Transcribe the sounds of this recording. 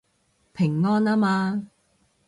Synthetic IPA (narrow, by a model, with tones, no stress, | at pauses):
pʰɪ˨˩ŋːɔː˥naː˥maː˧